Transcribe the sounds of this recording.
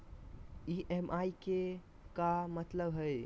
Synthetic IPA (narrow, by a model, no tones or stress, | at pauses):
iʔɛmʔajke | kamət̪ləbɦəj